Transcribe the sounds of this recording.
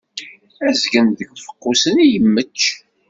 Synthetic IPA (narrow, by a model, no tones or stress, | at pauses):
æzɡənðəɡfə̥qːusənijəmːət͡ʃː